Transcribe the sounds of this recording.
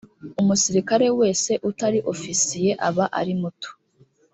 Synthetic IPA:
umusiɾikaɾe̞we̞ːse̞ʔutaɾiʔo̞fisije̞ʔaβaʔa̰ɾimuto̥

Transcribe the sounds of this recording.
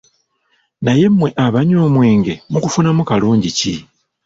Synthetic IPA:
naje̞mwe̞ʔaβaɲoːmweːŋɡe̞mukufunamukaluːɲɟici

